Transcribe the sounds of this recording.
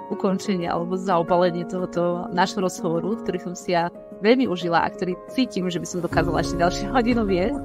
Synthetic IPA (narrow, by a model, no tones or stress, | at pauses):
ʔukɔnt͡ʃɛɲɪa̰ʔa̰lɛbɔzaɔbalɛɲɪɛt̪ɔɦɔt̪ɔnaːʒɦɔɾɔzɦɔʋɔɾukt̪ɔɾiːsɔmsija | ʋɛʎmiʔuʒilaʔa̰k̚t̪ɔɾiːt͡siːcimʒɛbisɔmd̪ɔkaːzala̰ɛʃcɛɟalʃjɛɦɔɟinuʋɪɛs